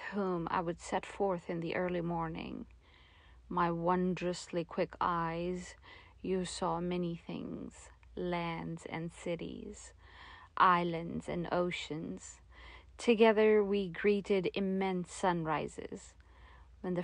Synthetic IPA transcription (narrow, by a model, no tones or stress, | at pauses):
hũma̰ɪwɨd̥sɛtfɔɹθɨ̃nðiʔɜ˞lˠimɔɹnɪ̰̃ŋ | maɪwʌ̃ndɹɨslikʰw̥ɪkʰaɪz | jɨsɔmɛniθɪ̰̃ŋz̥ | læ̃ndz̥ɨ̰̃nsɪɾḭz̥ | ʔaɪlˠɨ̃ndzɨ̰̃no̰ʊʃɨ̃nz̥ | tʰɨɡɛðə˞wiɡɹiɾɪɾɨmɛ̃nsʌ̃nɹaɪzɪ̰z̥ | ɨ̃nðɨ